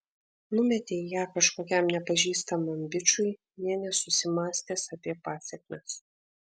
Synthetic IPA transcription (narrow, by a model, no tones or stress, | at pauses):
nʊmʲɛt̪ʲeɪjæːkɐʃkoːkʲɛmnʲɛpɐʒʲiːst̪ɐmɐmʲbʲɪt͡ʃʲʊɪ | nʲiɛnʲɛsʊsʲɪmɑːsʲt̪ʲeːsɐpʲiɛpɑːsʲɛkʲmʲɛs